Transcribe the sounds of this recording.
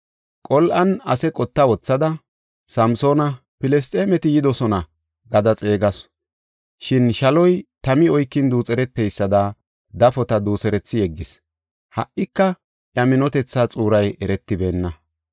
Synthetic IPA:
kʼɔlʔɐnɐsɛkʼɔt̪ːɐwɔt͡sːɐd̪ɐ | sɐmso̞ːnɐ | pɪlɛs̬t̪ʼeːmɛt̪ɪjɪd̪ɔsɔnɐ | ɡɐd̪ɐt͡sʼe̞ːɡɐs | ʃɪnʃɐlɔjt̪ɐmɪɔjkːɪnd̪uːt͡sʼɛɾɛt̪ːɛjsːɐd̪a | d̪ɐfɔt̪ɐd̪uːsɛɾɛt͡sːɪjɛɡːɪs | hɐ̰ʔːɪkːɐ | ʔjɐmɪnɔt̪ɛt͡sːat͡sʼuːɾɐjɛɾɛt̪ːɪbe̞ːnːɐ

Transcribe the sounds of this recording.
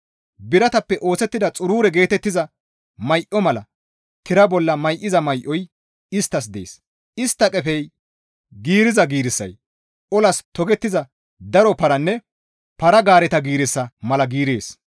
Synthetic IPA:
bɪɾɐt̪ɐpːɛʔo̞ːsɛt̪ːɪd̪ɐt͡sʼʊɾuːɾɛɡe̞ːt̪ɛt̪ːɪzɐ | mɐjʔɔmɐlɐ | t̪ɪɾɐbɔlːɐmɐjʔɪzɐmɐjʔɔj | ɪst̪ːɐs̬d̪e̞̰ːs | ɪst̪ːɐkʼɛfɛj | ɡiːɾɪzɐɡiːɾɪsːɐ̰j | ʔɔlɐst̪ɔɡɛt̪ːɪzɐ | d̪ɐɾɔpɐɾɐnːɛ | pɐɾɐɡaːɾɛt̪ɐɡiːɾɪsːɐmɐlɐɡiːɾḛːs

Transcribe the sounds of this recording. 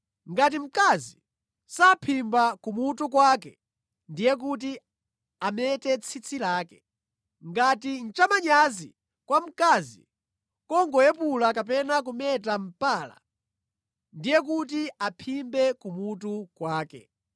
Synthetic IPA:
ŋɡat̬im̩kazi | sapʰimbakumutuk̬wakɛ | ndijɛk̬ut̬i | amɛtɛt͡sʰit͡sʰilaːkɛ̥ | ŋɡatin̩t͡ʃamaɲazi | kwam̩kazḭ | kɔŋɡɔjɛpulakap̬ɛnak̬umɛtam̩paːla̰ | ndijɛk̬ut̬iapʰimbɛkumutukwaːkɛ̰

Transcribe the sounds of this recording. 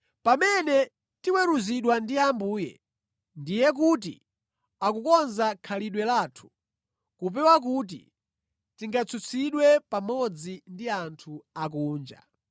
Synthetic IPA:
pamɛnɛ | tiwɛɾuziɗwandiambuːjɛ̰ | ndijɛk̬ut̬ḭ | akukɔnzakʰaliɗwɛlaːtʰu̥ | kup̬ɛwak̬uːt̬ḭ | tiŋɡat͡sʰut͡sʰiɗwɛpamɔd͡zindiantʰuak̬uːnd͡ʒa̰

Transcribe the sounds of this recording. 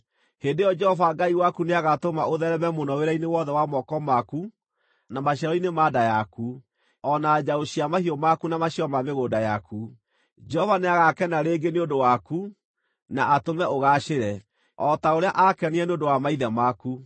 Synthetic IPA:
hendejɔd͡ʒɛhɔvaɡaiwakuneaɣatomaoðɛɾɛmɛmonɔweɾainewɔðɛwamɔkɔmaku | namaɕ̬jaɾɔinemaːdajaku | ɔnad͡ʒaoɕiamahiɔmakunamaɕiɔmameɣodajaku | d͡ʒɛhɔvaneaɣakɛnaɾeːɡeneondowaku | naʔatomɛʔoɣaɕeɾɛ | ɔtaoɾeaʔakɛniɛneondowamaiðɛmaku

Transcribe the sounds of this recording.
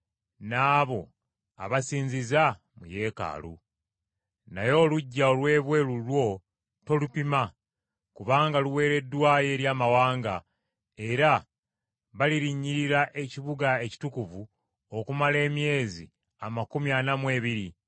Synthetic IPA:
naːβo̞ | a̰βasiːɲziza | muje̞ːka̰ːlṵ | najo̞ːluɟːaolwe̞ːβwe̞ːlulwo̞ | to̞lupima | kuβaːŋɡaluwe̞ːɾe̞dːwaːje̞ːɾjaːmawaːŋɡa | e̞ɾa | βaliɾiɲːiɾiɾaʔe̞ciβuɡae̞ci̥tukuvu | o̞kumale̞ːmje̞ːzḭ | amakumjanamwe̞ːβiɾi

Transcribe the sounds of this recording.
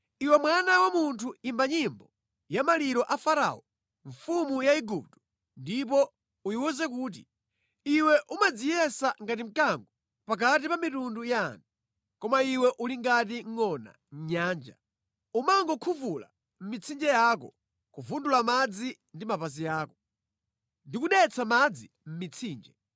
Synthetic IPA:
iwɛmwanawamuntʰuimbaɲimbɔ | jamaliɾɔʔafaɾa̰ɔ | ɱfumujaiɡup̚tɔ̥ | ndip̬ɔ | ujiwɔzɛkuːt̬ḭ | iwɛʔumad͡zijɛsaŋɡat̬im̩kaŋɡɔ | pak̬atipamitundujantʰu | kɔmaiwɛʔuliŋɡat̬iŋ̩ŋɔna̰ | ɲɲaːnd͡ʒa̰ | umaŋɡɔkʰuvula̰ | m̩mit͡sʰind͡ʒɛjakɔ̰ | kuvundulamad͡zi | ndimapaziaːkɔ | ndikuɗɛt͡sʰamad͡zi | m̩mit͡sʰiːnd͡ʒɛ

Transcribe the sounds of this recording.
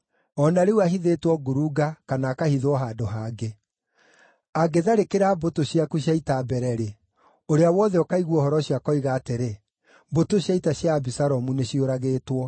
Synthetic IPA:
ɔnaɾeuahiðetwɔɡuɾuɡakanaːkahiðwɔɦadoɦaːɡe | aɡeðaɾekeɾabotoɕjakuɕjaitabɛɾɛɾe | oɾeawɔðɛɔkaiɣwɔhɔɾɔɕiakɔiɣaːteɾe | botoɕjaitaɕjaːbisaɾɔmuneɕioɾaɣeːtwɔ

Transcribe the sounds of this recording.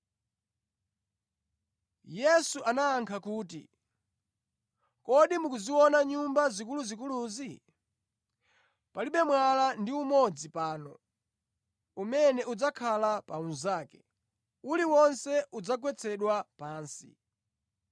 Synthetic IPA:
jɛsuʔanaːŋkʰakuːtḭ | kɔɗimukuziwɔnaɲumbazikuluzik̬uluzi | paliɓɛmwalandiumɔd͡zipaːnɔ | umɛnɛud͡zakʰalapaunzaːkɛ | uliwɔnsɛʔud͡zak̬wɛt͡sʰɛɗwapaːnsḭ

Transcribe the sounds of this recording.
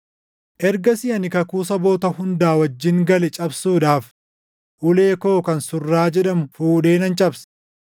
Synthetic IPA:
ʔɛɾɡɐsɪɐnɪkɐkuːs̬ɐbo̞ːt̪ɐhʊnd̪aːwɐd͡ʒːɪŋɡɐlɛt͡ʃʼɐbsuːᶑaːf | ʔʊle̞ːko̞ːkɐnsʊrːaːd͡ʒɛᶑɐmʊfuːᶑe̞ːnɐnt͡ʃʼɐbs

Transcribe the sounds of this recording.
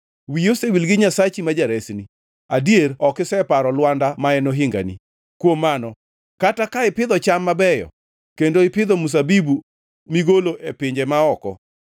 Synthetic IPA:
wijosewilɡɪɲasat͡ʃimad͡ʒaɾɛsni | adijeɾɔkɪsɛpaɾɔlwandamaɛnoɦɪŋɡa̰nḭ | kwomːanɔ | katakaɪpɪd̪ɔt͡ʃamːabɛjɔ̰ | kendoɪpɪd̪ɔmus̬abibu | miɡoloʔepɪɲd͡ʒemaɔkɔ̰

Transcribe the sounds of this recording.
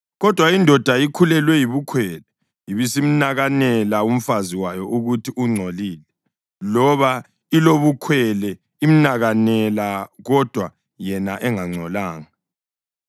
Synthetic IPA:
ɣɔd̥ʱwaindʱɔd̥ʱaikʰulɛlwɛjiβukʰwɛlɛ | jiβisim̩naɣanɛlaum̩faziwajɔʔuɣutʰiʔuŋ͡ǀʱoliːlɛ | lɔβa | iloβukʰwɛlɛ | im̩naɣanɛlaɣɔd̥ʱwa | jɛnaʔɛŋaŋ͡ǀʱɔlaːŋa

